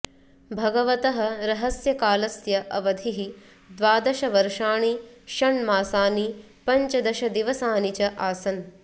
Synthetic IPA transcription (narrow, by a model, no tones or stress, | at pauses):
bʱɐɡɐʋɐt̪ɐɦɐ̆ɾɐɦɐsjɐkaːlɐsjɐʔɐʋɐd̪ʱiɦi | d̪ʋaːd̪ɐʃɐʋɐɾʂaːɳiʃɐɳmaːsaːni | pɐɲt͡ʃɐd̪ɐʃɐd̪iʋɐsaːnit͡ʃɐʔaːsɐn